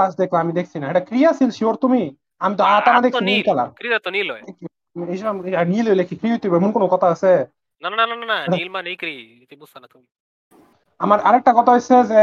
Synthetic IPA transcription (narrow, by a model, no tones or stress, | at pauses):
aas̬d̪ekʰlaamid̪ekʰt͡sʰinaeʈakɾiaasilʃioɾt̪umi | amit̪ɔaat̪amad̪ekʰsʰinikɛla̰kɾiat̪ɔnilɔj̪ɛk | eʃɔbameanielojlekʰikɾiɦojt̪obemunkonokɔt̪ʰaəse | nanananananaʈailmanejkɾi | it̪imusanat̪ui | amaɾaɾɛk̚ʈakɔt̪ʰaɦoseze